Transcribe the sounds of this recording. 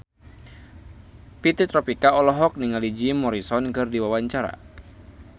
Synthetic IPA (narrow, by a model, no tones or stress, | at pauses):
pit̪it̪ɾɔpikaɔlɔɦɔk̚niŋalid͡ʒimɔɾisɔnkɨrdiwawaɲt͡ʃaɾa̰